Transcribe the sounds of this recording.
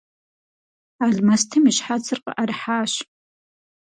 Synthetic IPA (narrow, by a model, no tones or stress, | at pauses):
aɮmastʰɨmiʃħat͡sʰɨrqʼə̰ʔarħaːʃ